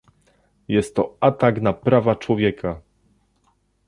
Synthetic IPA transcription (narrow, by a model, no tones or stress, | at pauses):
jɛst̪ːɔat̪aknapɾavat͡ʂwɔvʲjɛkʰa